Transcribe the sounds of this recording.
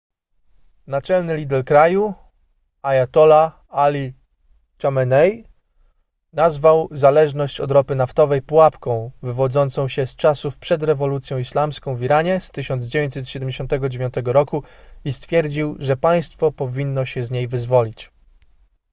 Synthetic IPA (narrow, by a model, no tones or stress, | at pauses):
nat͡ʂɛlnɘlʲid̪ɛɾkɾaju | ajat̪ɔla | alʲi | t͡ʃamɛnɛj | nazvawzalɛʐnɔɕt͡ɕɔ̰d̪ɾɔpɘnaft̪ɔvɛjpuwapkɔ̃w̃vɘvɔd̪zɔnt̪sɔ̃w̃ɕɛst͡ʂasufpʂɛd̪ɾɛvɔlut̪sʲjɔ̃w̃islamskɔ̃w̃vʲiɾaɲɛst̪ɘɕɔnd̪zd͡ʑevʲẽɲt͡ɕ̪ʲsɛt̪ɕɛd̪ɛmd͡ʑeɕɔ̃nt̪ɛɡɔd͡ʑevʲjɔ̃nt̪ɛɡɔɾɔkuist̪fʲjɛɾd͡ʑiwʐɛpaj̃st̪fɔpɔvʲinːɔɕɛzɲejvɘzvɔlʲit͡ɕ